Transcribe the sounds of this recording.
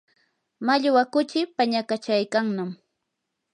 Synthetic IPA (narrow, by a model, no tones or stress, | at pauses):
maʎwakʊt͡ʃɪpaɲakat͡ʃajkaŋnam